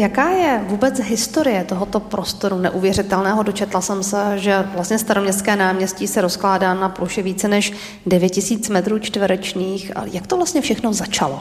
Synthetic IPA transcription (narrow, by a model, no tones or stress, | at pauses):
jakaːjɛvuːbɛt͡sɦɪst̪o̞ɾɪjɛt̪o̞ɦo̞t̪o̞pɾʔo̞st̪o̞ɾunɛʔuvjɛrɪt̪ɛlnɛːɦodot͡ʃɛt̪lasɛmsɛʒɛvlast̪ɲɛst̪aɾomɲɛst̪kɛːnaːmɲɛscisɛɾo̞sklaːdaːnapluʃɛviːt͡sɛnɛʃ | dɛvjɛtcɪsiːt͡smɛt̪ɾuːt͡ʃt̪vɛɾɛt͡ʃniːxjakt̪ovlast̪ɲɛfʃɛxno̞zat͡ʃalo